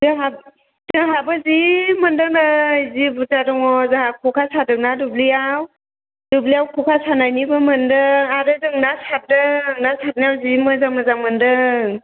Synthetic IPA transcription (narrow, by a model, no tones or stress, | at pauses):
zɯɦa | z̥ɯɦabɯzimɯndɯk̚najzibutadɔŋɔzaɦakʰɔkʰasʰadɯk̚nadublijaw | dublijawkʰɔkʰasʰanajnibɯmɯndɯŋadɯdɯŋnasʰat̚dɯŋnasʰat̚nijawzimɯzaməzaŋmɯndɯŋ